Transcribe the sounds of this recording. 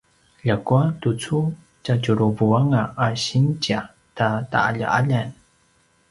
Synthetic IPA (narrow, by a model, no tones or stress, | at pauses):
ʎakuatut͡su | t͡ʃacuɾuvuaŋaʔːɕint͡ɕa | tata̰ʔa̰ʎa̰ʔaʎan